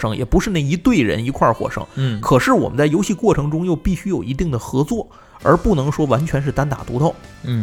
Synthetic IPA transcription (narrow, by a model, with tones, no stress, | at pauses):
ʂɤ˧˥ŋjɛ˨˩pu˧˥ʂɻ̩˥˧na˥˩i˧˥t̪we˥˩ɪɻə̰˧˥ni˧˥kʰwa˥˩˧xwɔ̰˨˩ʂɤ̰˥ŋ˥˩kʰɤ˨˩ʂɻ̩˥˩wɔ̰˨˩mə˦nt͡sa˥˩ɪjo˧˥ʊɕi˥˧kwɔ˥˩ʈ͡ʂʰɤ˧˥ŋʈ͡ʂʊ˥ŋjo˥˧ʊpi˥˩ɕy˥jo˨˩ʊi˧˥t̪i˥˩ŋd̪ə˩xɤ˧˥t͡swɔ˥˩ | ə̰˞˧˥pu˥˩nɤ˧˥ŋʂwɔ˥wa˧˥nt͡ɕʰɥɛ˧˥nʂ̬ɻ̩˥˩t̪a˥nt̪a̰˨˩t̪u˧˥t̪ɑ˥˩ʊ˥˩